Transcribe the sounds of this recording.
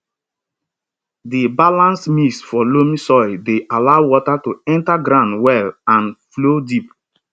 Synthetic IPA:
dibalãnsmisfɔlomĩsɔɪdeʔalaʊwɔtatuɛ̃ntaɡɾãʊ̃ndwɛlãnflodip̚

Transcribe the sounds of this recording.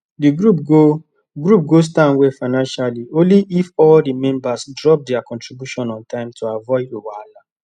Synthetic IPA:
diɡɾupɡo | ɡɾup̚ɡos̬tãnwefaɪnãnʃaliõnliʔifɔldimɛ̃mbasdɹɔp̚dɛakɔ̃ntɹibjuʃɔ̃nɔ̃ntãɪ̃mtʰoavɔɪdowala

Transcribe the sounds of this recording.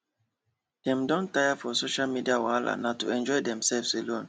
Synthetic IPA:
d̥ɛ̃mdɔ̃ntajafɔsoʃalmidiawala̰natṵɛ̃nd͡ʒɔɪdɛ̃msɛlvselõn

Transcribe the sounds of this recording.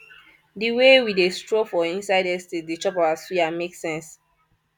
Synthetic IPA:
diwewidestɹofɔĩnsaɪdɛstedit͡ʃɔpawasfiameksɛ̃ns

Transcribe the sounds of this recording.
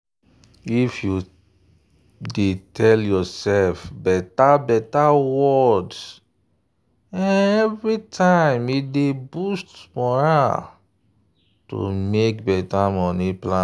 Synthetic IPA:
ifju | detʰɛljɔsɛlfbɛtabɛtawɔd | ɛ̃ɛvɹitʰãɪ̃midebustmɔɹa | to̰mek̚bɛtamɔniplã

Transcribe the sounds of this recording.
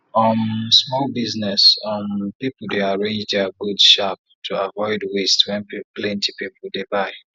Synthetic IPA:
ʌmsmɔlbiznɛsʌ̃mpipl̩deaɹẽnd͡ʒdəɡudʃap̚ | tʰuavɔɪdwestwɛ̃nplɛ̃ntʰipipʰl̩ˠdebaɪ

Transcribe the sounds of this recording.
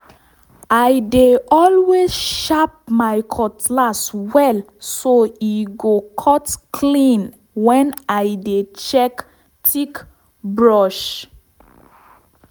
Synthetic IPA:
ajdeɔlwezʃap̚majkʰɔtʰlaswɛl | soiɡokʰɔtkʰlĩn | wɛ̃najdet͡ʃɛk | tʰik | bɹɔʃ

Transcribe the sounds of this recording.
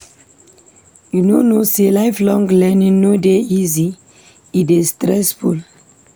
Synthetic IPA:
junonoselaɪflɔ̃ŋɡlɛnĩŋnodeizi | itestɾɛsful

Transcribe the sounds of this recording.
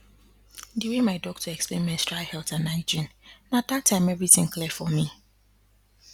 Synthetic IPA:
diwemaɪdɔk̚tʰuɛksplḛ̃nmɛ̃nstʰɹaɪhɛlˠtãnaɪd͡ʒĩnnad̪atʰːãɪ̃mɛvɹitɪ̃ŋkʰlɛfɔmi

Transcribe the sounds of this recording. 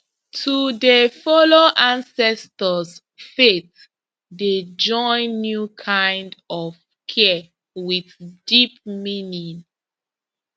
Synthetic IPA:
tʰudəfɔloʔãnsɛstəs | fet̚ | ded͡ʒɔ̃ɪ̃nːjukʰãɪ̃ndɔv | kʰɛ | wiθðdip̚minĩŋ

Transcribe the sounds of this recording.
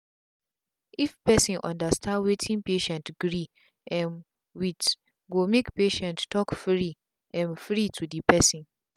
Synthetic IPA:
ʔifpɛsĩnʔɔ̰̃ndastãndwetʰĩnpeʃɛ̃ntɡ̥ɾi | ʔɛ̃n | wit | ɡomekpeʃɛ̃nttɔkfɾi | ʔɛ̃nfɹitʰudipʰɛsĩn

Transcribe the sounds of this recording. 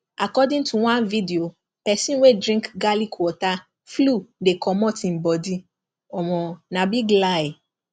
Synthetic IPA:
akɔdĩŋtuwãnvidio | pɛsĩnwedɾĩŋkɡalikʰwɔta | fludekʰɔmɔ̃tĩm̩bɔdi | ɔmɔ̃nãbiɡlae

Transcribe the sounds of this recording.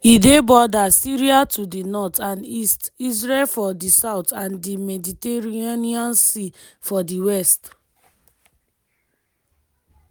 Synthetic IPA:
idebɔdasiɹiatʰudinɔtʰãnistis̬ɹelfɔdisaʊtãndimɛditeɹiiãniɔ̃nsifɔdiwɛst

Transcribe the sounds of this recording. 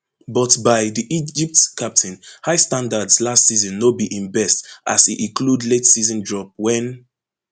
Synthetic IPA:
bɔtbaɪðiʔid͡ʒip̚tkʰap̚tʰĩnhaɪstãndadslastsizɔ̃nːobiʔĩnbɛsta̰sitĩkludletsizɔ̃ndɹɔp̚wɛ̃n

